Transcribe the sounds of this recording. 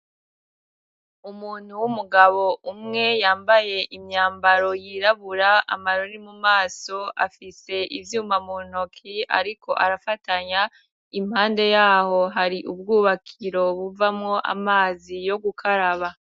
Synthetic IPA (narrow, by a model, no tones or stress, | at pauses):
umuːn̥huwumuɡaβo̞umŋe̞jaːmbaje̞ʔimɲaːmbaɾo̞jiːɾaβuɾaa̰maɾoɾimumaːso̞ʔafise̞ʔivjuːmamon̥okʰia̰ɾiko̞̰ʔaɾafataɲa | im̥haːnde̞jaːho̞ɦaɾiʔubɡuːβakʰiɾo̞βuvamŋo̞ʔa̰maːzijo̞ɡukʰaɾaβa